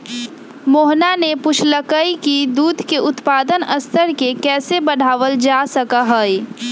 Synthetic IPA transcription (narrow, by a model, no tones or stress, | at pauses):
moːɦnanepʊʃʰləkəikid̪uːd̪ʱkeʔʊt̪paːd̪ənɐst̪ʰəɾkekɛːsebɐɽ̤ʱaːʋəld͡ʒaːsɐkaɦɛɛ